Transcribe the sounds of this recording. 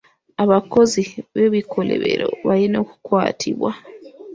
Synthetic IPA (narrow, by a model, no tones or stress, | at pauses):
aβako̞ziβeβikʰo̞lḛβḛɾoβalino̞ːku̥kwa̰ːtʰiβwa